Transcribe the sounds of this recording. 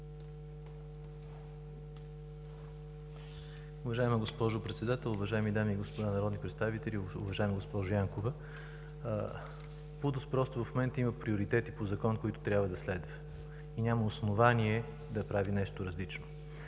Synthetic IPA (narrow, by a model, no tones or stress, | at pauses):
ʊvɐʒaɛməɡospɔʒʊpɾɛt̪sɛd̪at̪ɛlˠʊvɐʒaɛmid̪amiːɡospod̪anɐɾɔd̪nipɾɛt̪st̪avit̪ɛlʲiʊvɐʒaɛmɡospɔʒʊjaŋkovə | pud̪ʊspɾɔst̪ʊvɐfmomɛnt̪əimɐpɾioɾit̪ɛt̪ipozɐkɔnkoit̪ʊ̥t̪ɾʲabvəd̪ɐslɛd̪vɐ | inʲamɐosnovaniɛ | d̪ɐpɾavinɛʃt̪oɾɐzlit͡ʃno